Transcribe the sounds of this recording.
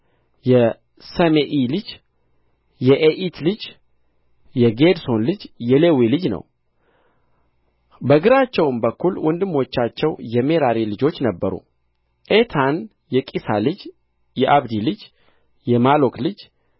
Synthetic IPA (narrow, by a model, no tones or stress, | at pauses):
jɛ | səmeʔilɨd͡ʒ | jɛʔeʔit̪lɨd͡ʒ | jɛɡe̞d̪so̞nlɨd͡ʒjɛlewilɨd͡ʒnə̰w | bəɡɨɾat͡ʃːɛwmbəkːulwʔɔnd̪ɨmːo̞t͡ʃːat͡ʃːɛwjɛme̞ɾaɾilɨd͡ʒo̞t͡ʃːnəbːəɾṵ | ʔet̪ʰan | jɛkʼisa̰lɨd͡ʒ | jɛʔaβd̪ilɨd͡ʒ | jɛmalo̞klɨd͡ʒ